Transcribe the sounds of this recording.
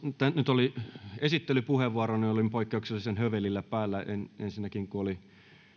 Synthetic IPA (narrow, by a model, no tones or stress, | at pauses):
t̪ænyt̪oliesit̪ːelypuheʋʋuɑroniolimpoikːeuksilːsenhøʋelːilːæpæːlːæenensinːækiŋkuoli